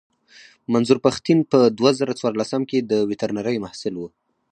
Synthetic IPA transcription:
manzuɾpaxt̪inpəd̪wazaɾat͡swɑɾlasamked̪əwɪt̪aɾnaɾəjmahsɪlwu

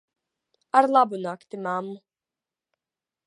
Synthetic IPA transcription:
aɾlˠabunakt̪imamːu

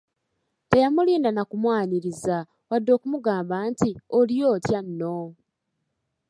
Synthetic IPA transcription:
te̞jamuliːndanakumwaːniɾiza | wadːo̞ːkumuɡaːmbaːntiolijo̞ːtjanːo

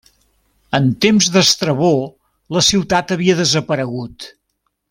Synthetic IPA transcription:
ənt̪emzd̪əst̪ɾəβo | ləsiwt̪at̪əβiəðəzəpəɾəɣut̪

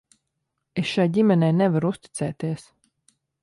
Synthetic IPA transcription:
esʃajɟimɛnɛjnɛvaɾuust̪i̥t̪sɛːt̪iɛs

